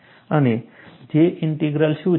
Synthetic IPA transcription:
əned͡ʒeʔɪɳʈiɡɾəlʃũ

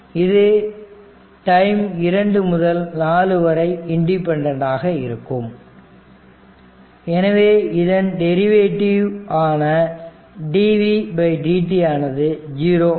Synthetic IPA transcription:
ɪðɯ | ʈɐɪmɪɾɐɳɖɯmʊðɐlnaːlɯʋɐɾɐɪɪɳɖɪpːɛɳɖɐɳɖaːɣɐɪ̰ɾɯkːɯm | ɛnɐʋeːɪðɐnɖɛɾɪʋeːʈːɪʋaːnɐ | ɖiːʋibɐɪɖiːʈːiaːnɐðɯd͡ʒiːɾoː

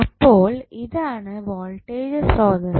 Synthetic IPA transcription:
ɐpːoːlɪðaːnɐʋɔːlʈeːd͡ʒɐsɾɔːðɯ

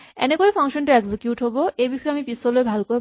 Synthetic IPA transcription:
ḛnekoipʰaŋʃɔnʈeeɡsekjuʈɦoboebiʃɔeamipisoloebʱalko

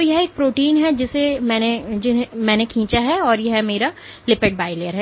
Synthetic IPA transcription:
ojɐɦeːk̚pɾoːʈiːnɦɛd͡ʒɪsemɛ̃ːned͡ʒɪmɛ̃ːnekʰĩːt͡ʃaɦɛɔːɾjɛɦmeːɾa | lɪpeʈ̚baːɪlejəɾɦɛ

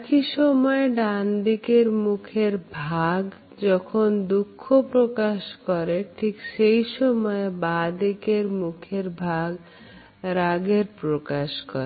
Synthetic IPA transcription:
kiʃɔmɔeɖand̪ikeɾmukʰeɾbʱaɡ | d͡ʑɔkʰond̪ukʰːopɾokaʃkɔɾeʈʰikʃejʃɔmɔebad̪ikeɾmukʰeɾbʱaɡ | ɾaɡeɾpɾokaʃkɔɾe

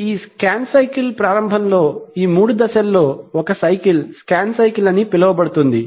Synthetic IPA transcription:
iːskaːnsɐjkilpɾaːɾɐmbʱɐnlo̞ːiːmuːɽud̪ɐʃɐlːo̞ːɔkɐsɐjkilskaːnsɐjkilɐnːipilɐʋɐbɐɽut̪und̪ḭ

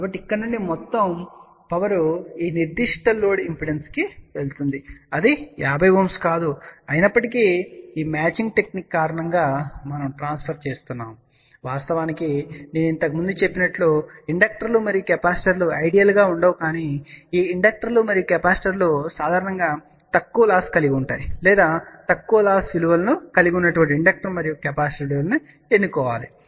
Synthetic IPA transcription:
kaːbɐʈːiikːɐɽɐnuɳɖimɔt̪ːɐm | pɐʋɐɾuiːniɾd̪iʂʈɐloːɽimpiɽenskiʋe̞lt̪und̪iɐd̪ijaːbʱɐjbuːmskaːd̪uɐjinɐpːɐʈikiiːmaːt͡ʃiŋɡ̚ʈe̞knikːaːɾɐɳɐŋɡaːmɐnɐmʈɾaːnspʰɐɾt͡ʃe̞ːst̪unːaːm | ʋaːst̪ɐʋaːnikineːnuint̪ɐkɐmund̪ut͡ʃe̞pːinɐʈloiɳɖɐk̚ʈɐɾlumɐɾijkɛpaːsʈɐɾluɐjɖijɐlɡaːuɳɖɐːʋukaːniːiːiɳɖɐk̚ʈɐɾlumɐɾijokɛpaːsʈɐɾlosaːd̪ʱaːɾɐɳɐŋɡaː | t̪ɐkːuʋɐlaːskɐliɡiuɳʈa̰ːjilɛːd̪aːt̪ɐkːuʋɐlaːsʋiluʋɐlɐnukɐliɡʲunːɐʈuʋɐɳʈiɳɖɐk̚ʈɐɾmɐɾijukɛpaːsʈɐɾɖiʋɐlɐnu | enːukɔːʋa̰ːli

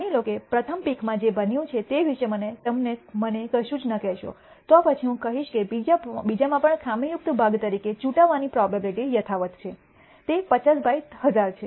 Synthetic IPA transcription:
nilokepɾət̪ʰəmpikʰmãd͡ʒebənjũt͡ʃʰet̪eʋiʃemənet̪əmnemənekəʃũd͡ʒnəkɛʃo̰ | t̪oapət͡ʃʰiɦũkəɦiʃkebid͡ʒabid͡ʒamãpəɳkʰamijʊk̚t̪bʱaɡt̪əɾiket͡ʃũʈaʋːanipɾɔbabliʈijət̪ʰaʋət̪t͡ʃʰe | t̪epət͡ʃasbʱait̪ɦəd͡ʒaɾt͡ʃʰe

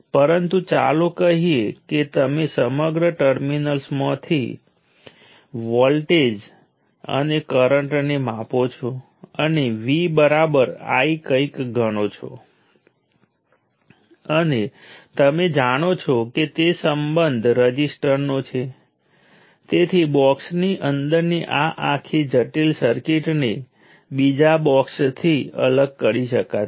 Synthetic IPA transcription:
pəɾənt̪ut͡ʃa̰lokəɦieket̪əmesəməɡɾəʈəɾminəlsmãt̪ʰḭ | ʋɔlʈed͡ʒ | ə̰nekəɾəɳʈnemãpot͡ʃʰo | əneʋibəɾabəɾa̰ikə̃ikɡʱəɽ̃ot͡ʃʰo̰ | ənet̪əmed͡ʒaɽ̃ot͡ʃʰoket̪esəmbənd̪ʱɾəd͡ʒisʈəɾnot͡ʃʰe | t̪et̪ʰibɔksniʔənd̪əɾniʔaʔakʰid͡ʒəʈilsəɾkiʈne | bid͡ʒabɔkst̪ʰiə̰ləɡ̚kəɾiʃəka

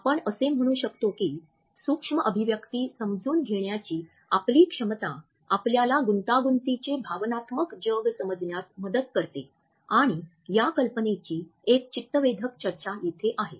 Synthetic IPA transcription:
apəɳəsem̤əɽ̃uːɕəkt̪okiː | sukʂməʔəbʱiʋjəkt̪iːsəmd͡zuːnɡʱeɳjat͡ɕiː | apliːkʂəmət̪a | apljalaɡunt̪aɡunt̪it͡ɕebʱaʋnat̪məkd͡ʑəɡsəməd͡znjasməd̪əd̪kəɾt̪ḛ | aɽ̃i | jakəlpənet͡ɕiːek̚t͡ɕit̪ːəʋed̪ʱəkt͡ɕəɾt͡ɕajet̪ʰeʔaɦe

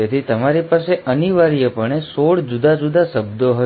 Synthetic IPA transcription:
et̪ʰit̪əmaɾipaseʔəniʋaɾijəpəɳ̃esoɽd͡ʒud̪ad͡ʒud̪asəbd̪oɦə

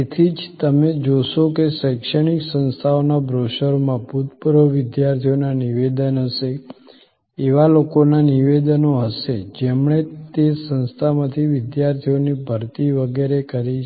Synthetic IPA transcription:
et̪ʰid͡ʒt̪əmed͡ʒoʃokesəjkʃəɽ̃iksə̃nst̪ʰaonabɾoʃəɾmãput̪pɾəʋɪd̪jaɾt̪ʰijonaniʋed̪ənɦəʃe | eʋalokonaniʋed̪ənoɦəʃed͡ʒemɳet̪esə̃nst̪ʰamãt̪ʰiʋɪd̪jaɾt̪ʰijonibʱəɾt̪iʋəɡeɾekəɾiʃ

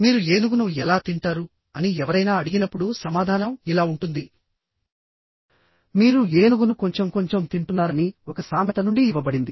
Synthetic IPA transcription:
miːɾue̞ːnuɡunuɛlaːt̪iɳʈaːɾu | ɐniɛʋɐɾɐjnaːɐɽiɡinɐpːuɽusɐmaːd̪ʱaːnɐmilaːuɳʈund̪i | miːɾueːnuɡunuko̞ɲt͡ʃe̞mko̞ɲt͡ʃe̞mt̪iɳʈunːaːɾɐniɔkɐsaːmɐt̪ɐnuɳɖiːʋːɐbɐɽind̪i

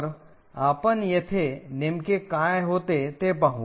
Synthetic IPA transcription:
ɾ | aːpənjɐt̪ʰenɪmkekãːjɦoːt̪et̪epɐɦu

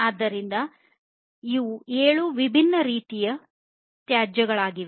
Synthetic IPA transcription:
aːd̪ːɐɾind̪ɐ | iʋueːɭuʋibʱinːɐɾiːt̪ijɐ | t̪jaːd͡ʒɐɡɐɭaːɡiʋe

